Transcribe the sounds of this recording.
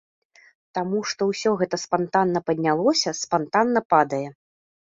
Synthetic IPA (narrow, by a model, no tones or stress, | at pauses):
t̪amuʂt̪ɔwsʲɔɣɛt̪ɐspant̪anːɐpɐd̪ʲnʲalˠɔsʲɐspant̪anːɐpad̪ɐjɛ